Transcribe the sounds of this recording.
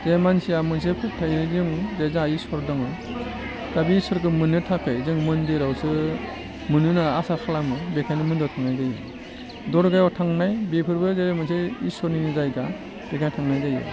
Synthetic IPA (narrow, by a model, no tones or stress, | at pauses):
z̥emansiamɯns̬epʰɯtʰajɯzɯŋzezaisɔɾdɔŋɯ | ɡabisɔɾkɯmɯnɯtʰakʰejzɯŋmɯndiɾawsɯ | mɯnɯnaasakʰalamɯbekʰajnɯmɯndɔtʰaŋnajzajɯ | dɔɾɡajɔtʰaŋnajbepʰɯɾbɯzemɯnseisɔɾninizajɡa | b̥eɡajtʰaŋnajzajɯ̰